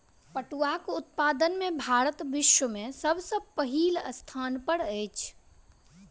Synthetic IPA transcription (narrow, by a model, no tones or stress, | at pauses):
pəʈuakʊt̪̚paːd̪ənmẽbʱaːɾət̪bɪʃwəmẽsəbsəpəɦiːləst̪ʰaːnpəɽɛːt͡ʃʰ